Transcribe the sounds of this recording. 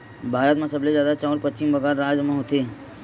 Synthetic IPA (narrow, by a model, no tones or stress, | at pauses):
bʱaːɾət̪mẽsɐblezjaːd̪at͡ʃɔ̃ːɾpətːt͡ʃɪmbɐɡaːɾːaːd͡ʒmẽɦoːt̪eː